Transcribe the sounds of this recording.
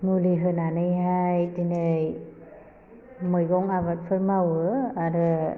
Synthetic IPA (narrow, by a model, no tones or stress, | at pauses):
muliɦɯnanɯjɦajtinɯj | mɯjɡɔŋaβat̚pʰɯɾmawɯaɾɯ